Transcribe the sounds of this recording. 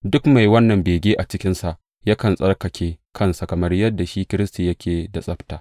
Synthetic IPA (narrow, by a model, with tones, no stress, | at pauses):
dʊ˦kma˨jwɐ˦nːɐ˨mbeː˨ɡʲeː˦ʔa˨t͡ʃɪ˦kʲɪ˦nsa˨ʔ | ja˦kɐ˨nsʼɐ˦rkɐ˨kʲeː˦kʰɐ˦nsa˨kɐ˨mɐ˦rjɐ˦dːa˨ʃiː˦kʲɪ˦ɾɪ˦sti˨jɐ˦kʲʰeː˨da˨sʼɐ˦ɸtaː˨